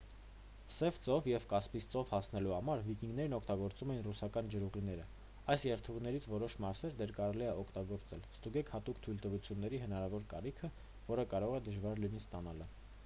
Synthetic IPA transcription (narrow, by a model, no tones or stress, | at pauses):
sɛvt͡sɔvjɛvkɑspist͡sɔvhɑsnɛluhɑmɑɾvikiŋɡn̪ɛɾnɔkʰt̪ɑɡɔɾt͡sumɛjinrusɑkɑnd͡ʒəɾuʁinɛɾə | ɑjsjɛɾt̪ʰuʁnɛɾit͡sʰvɔɾɔʃmɑɾsɛɾd̪ɛɾkɑɾɛliɛɔkʰt̪ɑɡɔɾt͡sɛlst̪uɡɛkʰhɑt̪ukʰt̪ʰujlt̪əvut͡sʰjunːɛɾiɦən̪ɑɾɑvɔɾkɑ̰rikʰə | vɔɾəkɑɾɔʁɛd̪əʒvɑɾlinist̪ɑnɑlə